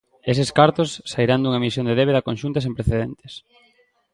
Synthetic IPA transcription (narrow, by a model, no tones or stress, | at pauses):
esɪskaɾt̪osːaiɾand̪uŋɐmisjond̪eðeβeðɐkonʃunt̪ɐsẽmpɾeθeðent̪e̥s